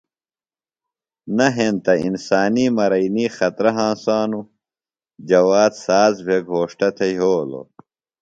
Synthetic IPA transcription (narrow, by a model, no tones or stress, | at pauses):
nɐɦẽnt̪ɐḭnsaːniːmɐɾɐiniːxɐt̪ɾɐɦãːsaːnu | d͡ʑɐwaːd̪saːzbʱeɡʱoːʂʈɐt̪ʰeɦoːlo̰